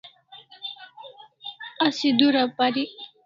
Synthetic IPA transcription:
asid̪uɾapaɾi

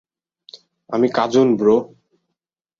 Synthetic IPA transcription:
a̰mikad͡ʑunbɾo

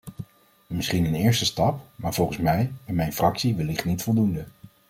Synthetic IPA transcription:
mɪsχinənɪːɹstəstɑpmaːɹv̥ɔlˠχənsmɛjmɛjnfrɑksiʋɪlɪχnitfɔlˠdundə

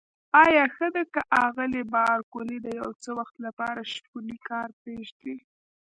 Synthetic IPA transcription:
ɑjɑxəd̪akəʔɑɣəlebɑɾkolid̪əjawt͡səwaxt̪lapɑɾaʃkulikɑɾpeʒd̪e

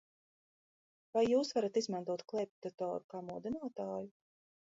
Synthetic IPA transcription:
vajːuːsvaɾat̪izmant̪uɔt̪klˠɛp̚t̪at̪ɔ̰ːɾukaːmuɔd̪inaːt̪aːju

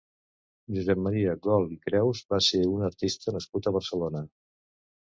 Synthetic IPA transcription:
ʒuzɛmməɾiəɡɔlˠikɾɛwzbaseunəɾt̪ist̪ənəskut̪əβ̞əɾsəlonə

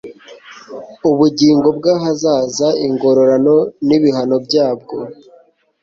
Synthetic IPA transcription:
uβuɟiːŋɡo̞bɡaːɦazaːzaiŋɡo̞ɾo̞ɾano̞niβiɦano̞bɟaːb̚ɡo̞

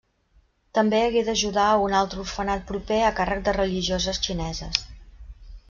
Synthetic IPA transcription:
t̪əmbeəɣeðəʒuðaunalˠt̪ɾuɾfənat̪̚pɾupeəkarək̚d̪ərəliʒiozəst͡ʃinɛzə̰s

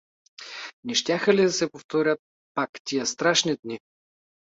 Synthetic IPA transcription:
nɛʃt̪ʲjaxəlid̪ɐsɛpoft̪ɔɾʲət̪̚ | pakt̪ijəst̪ɾaʃnid̪ni

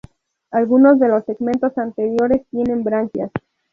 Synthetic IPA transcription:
alɣuno̞zðe̞lo̞sːeɣmẽ̞nt̪o̞sant̪e̞ɾjo̞ɾe̞st̪je̞ne̞mbɾaŋkjas

